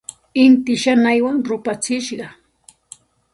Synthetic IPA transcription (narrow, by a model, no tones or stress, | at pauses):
ɪnt̪ɪʃanajwaŋɾʊpat͡sɪʃɢɑ